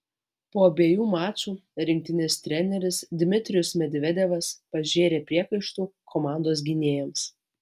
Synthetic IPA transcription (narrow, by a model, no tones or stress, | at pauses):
poːɐbʲeɛjuːmɑːt͡ʃʲuːɾʲɪŋʲkʲt̪ʲɪnʲɪst̪ʲɾʲɛnʲɛɾʲɪsd̪ʲɪmʲɪt̪ʲɾʲɪjʊsmʲɛd̪ʲʋʲɛd̪ʲɛʋɐspɐʒʲeːɾʲeːpʲɾʲiɛkɐɪʃt̪uːkʰɔmɑˑnd̪oːs̬ɡʲɪnʲeːjɛms